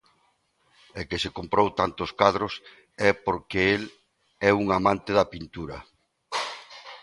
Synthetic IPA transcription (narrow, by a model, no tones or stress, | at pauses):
ekɪsekompɾowt̪ant̪oskaðɾʊs | ɛpoɾkeel | ɛuŋamãnt̪ɪðɐpint̪uɾɐ̰